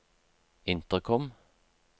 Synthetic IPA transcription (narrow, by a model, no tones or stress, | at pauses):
ɪnt̪əʁkʰɔm